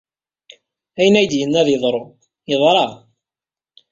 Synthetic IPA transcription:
æjənæjd̪jənːæðjəðˤɾˤo | jəðˤɾˤɑ

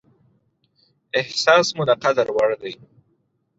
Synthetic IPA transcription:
ɪhsɑsmʊd̪aqad̪aɾwaɽd̪aj

